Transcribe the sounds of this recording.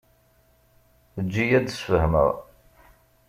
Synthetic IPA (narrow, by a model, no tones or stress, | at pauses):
əd͡ʒːijæd̪sfəhmə̰ʁ